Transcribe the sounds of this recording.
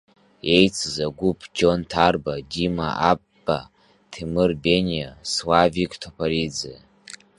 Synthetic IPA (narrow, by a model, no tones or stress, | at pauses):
e̞jt͡sʰzaɡʷupʰʼd͡ʒo̞ntʰarbadima̰abːa̰ | tʰimɨrbe̞nʲjaswavikʰʼtʰopʰaɾid͡zɨ